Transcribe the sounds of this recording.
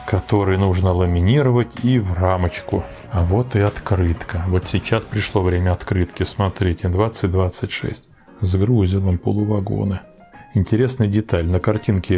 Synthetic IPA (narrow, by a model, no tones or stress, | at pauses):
kɐt̪o̞ɾɨjnuʐnəlˠəmʲɪnʲiɾəvətʲivramət͡ɕkʊ | ɐvo̞t̪ɨɐt̪kɾɨt̪kəvo̞t̪sʲɪt͡ɕːaspɾʲɪʂlˠo̞vɾʲemʲəɐt̪kɾɨt̪kʲɪsmɐt̪ɾʲetʲɪd̪vat̪sɨt̚ʲd̪vat̪sɨtʲʂɛ̰sʲtʲ | zɡɾuzʲɪlˠəmpo̰lˠʊvɐɡo̰nɨ | ɪnʲtʲɪɾʲe̞snɨjdʲɪt̪alʲnəkɐrtʲinkʲɪ